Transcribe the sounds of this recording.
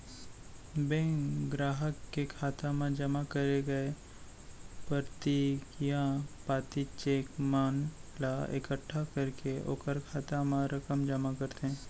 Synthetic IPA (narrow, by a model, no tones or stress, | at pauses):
bẽkɡɾaːɦəkːekʰaːt̪amãd͡ʒəmakəɾeɡɐe | pəɾt̪ikijãpaːt̪it͡ʃeːkmaːnlaḛkəʈʰːakəɾkeo̰ːkəɾkʰaːt̪amãɾɐkəmd͡ʒəmakɐɾt̪eɦɛ̃ː